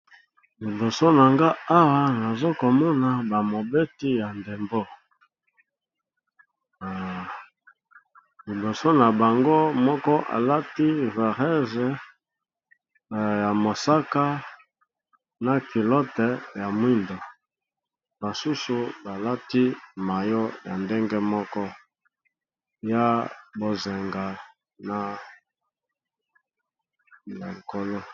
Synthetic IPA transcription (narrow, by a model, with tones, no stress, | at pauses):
li˨bo˨so˦na˨ŋɡa˦a˦wa˦na˨zo˦ko˨mɔ˦na˨ba˨mo˨be˦ti˦ja˨nde˨mbo˦˨ | li˨bo˨so˦na˨ba˨ŋɡo˦mɔ˦kɔ˦ʔa̰˨la˦ti˦va˨ʁɛ˦zɛ˨ | ja˨mo˨sa˦ka˦ | na˨ki˨lɔ˦tɛ˨ja˨mwi˦ndo˨ | ba˨su˦su˨ba˨la˦ti˦ma˨jo˦ja˨nde˦ŋɡe˦mɔ˦kɔ˦ | ja˦bo˨ze˨ŋɡa˨ | na˨ | le˨ko˦lo˦